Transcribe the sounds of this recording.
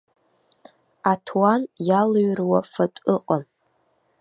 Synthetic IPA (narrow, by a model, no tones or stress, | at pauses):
atʰwanjalɥrwafatʷʼɨqʼam